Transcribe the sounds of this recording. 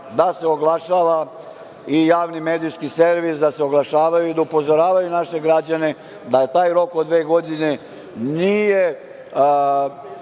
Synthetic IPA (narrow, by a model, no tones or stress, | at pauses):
d̪aseoɡlˠaʃaːʋa | ijaːʋnimeːd̪ijskiseɾʋisd̪aseo̞ɡlˠaʃaːʋajuid̪aupo̞zo̞ɾaːʋajunaʃe̞ɡɾad͡ʑane̞ | d̪at̪aːjɾo̞kod̪ʋe̞ːɡo̞d̪ine̞ | nije